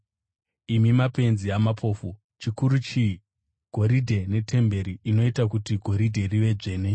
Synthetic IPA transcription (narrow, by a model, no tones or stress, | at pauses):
imimape̞nziamapʰo̞ːfu | t͡ʃikuɾut͡ʃi | ɡ̥ʱo̞ɾidʱe̞ne̞tʰe̞mbe̞ɾiːno̞itakutiɡʱo̞ɾidʱe̞riʋe̞ʐe̞ːne̞